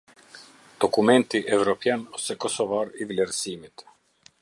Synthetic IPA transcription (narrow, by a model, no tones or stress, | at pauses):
d̪̥okumɛnt̪iʔɛvɾɔpjanɔsɛkɔsɔvaɾivlʲɛɾsiːmit̪